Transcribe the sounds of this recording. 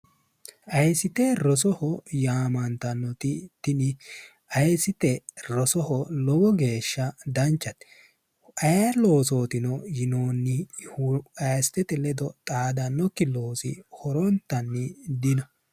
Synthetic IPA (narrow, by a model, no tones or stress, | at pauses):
ʔɐjsɪt̪ɛɾɔs̬ɔhɔjaːmɐnt̪ɐnːɔt̪ɪt̪ɪnɪ | ɐjsɪt̪ɛɾɔsɔhɔlɔɡɔɡe̞ːʃːɐd̪ɐnt͡ʃːɐt̪ɛ̥ | ʔɐjalo̞ːso̞ːt̪ɪnɔjɪnoːnːɪhɐjst̪ːɛt̪ɛlɛd̪ɔt̪ʼaːd̪ɐnːɔkːɪloːsɪhɔɾɔnt̪ːɐnːɪd̪ɪnɔ